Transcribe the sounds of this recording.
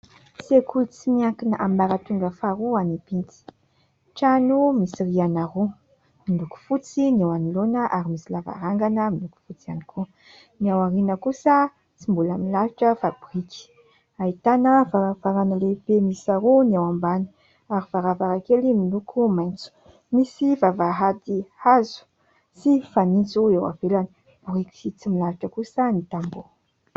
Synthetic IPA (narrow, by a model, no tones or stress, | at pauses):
sekʰulut͡simiaŋkinaʔambaɾat̪uŋɡəfaɾuanipint̪i̥ | ʈ͡ʂanumisiɾianaɾu | miluku̥fut͡sinewanilonəʔaɾimisilava̰ɾaŋɡanəminuku̥fut͡sianikʰu | niawaɾinəkusə | t͡simbulamilaɦiʈ͡ʂəfabɾiki̥ | ait̪anəvavaɾanalebemisaɾoniawambani̥ | aɾiv̥aɾavaɾakelimilukʰumajnt͡su̥ | misivavaɦad̪ihazu̥ | sifanint͡suewa̰velani̥ | b̥riki̥sit͡similaliʈ͡ʂəkusənit̪ambo